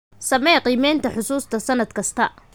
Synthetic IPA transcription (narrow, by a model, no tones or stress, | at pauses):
sɐmɛːqiːmɛːnt̪ʰɐħʊsuːst̪ʰɐsɐnɐd̪̚kʰɐst̪ʰɐ